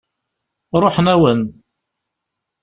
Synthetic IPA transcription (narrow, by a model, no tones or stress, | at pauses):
ɾˤoħnæwən